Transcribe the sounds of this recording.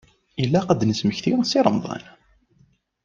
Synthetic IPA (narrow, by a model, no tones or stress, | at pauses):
ilːæqəd̪nəsməçθiʁsiɾˤəmðˤɑ̰n